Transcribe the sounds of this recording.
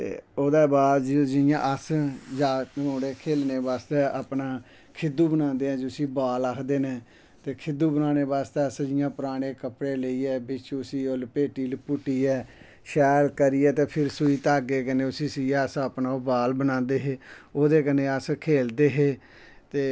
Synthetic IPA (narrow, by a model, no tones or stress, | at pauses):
t̪ḛːoːd̪aːbaːd̪d͡ʒd͡ʒɪjã̰ːʔəsd͡ʒaːəmoːɽeːkʰeːlneːbaːst̪eːaːpnaː | kʰɪd̪uːbənãːnd̪eːɦɛ̃ːd͡ʒʊsiːbaːlaːkʰd̪eːneː | t̪eːkʰɪd̪uːbənaːneːbaːst̪eːəsd͡ʒɪjãːpəɾaːɽ̃eːkəpɽeːləiːɛːbɪt͡ʃʊsiːoːlpeːʈiːlpʊʈːiːɛː | ʃɛːlkəɾiːɛːt̪eːpʰɪɾsʊiːt̪aːɡeːkəneːʊsiːsɪjãːəsəpnaːbaːlbənãːnd̪eːɦeːoːd̪eːkəneːəskʰeːld̪eːɦeː | t̪eː